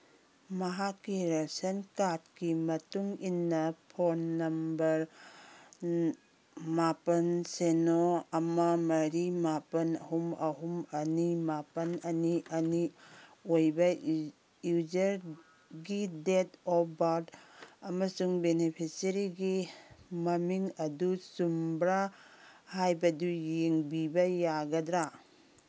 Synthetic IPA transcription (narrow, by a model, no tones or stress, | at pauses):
mɐɦakːiɾasɐnkat̚kimɐtuŋinːɐpʰonːɐmbɐɾ | mapɐnsenoɐmɐmɐɾimapɐnɐ̰ɦumɐɦumɐnimapɐnɐniɐniojbɐ | jud͡ʒɐɾ | ɡidetɔbaɾdɐmɐsuŋbenepʰisɐɾiɡimɐmiŋɐdusumbɾahajbɐdujeŋbibɐjaɡɐdɾa